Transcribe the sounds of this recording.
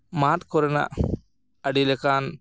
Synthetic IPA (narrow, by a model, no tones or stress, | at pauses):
maːt̪kɔɾɐna̰ | ɐɽilekaːn